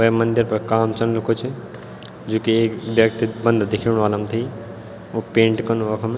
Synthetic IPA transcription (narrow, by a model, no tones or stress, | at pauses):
ʋɐmənd̪ʱɪɾpɐɾkaːmt͡ʃɐnlukʰot͡ʃʰi | d͡ʒoːkieːkbjɐkt̪ibə̃nd̪d̪ekʰiɽ̃ʋaːlamt̪ʰɐi | opẽːɳʈkɐnuɐkʰme